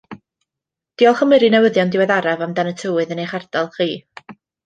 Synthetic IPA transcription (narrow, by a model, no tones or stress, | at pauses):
d̥iːɔlˠχəmɪɾinɛwəðjɔndɪwɛðaɾavamdanətʰəwɨðənejχardalˠχiː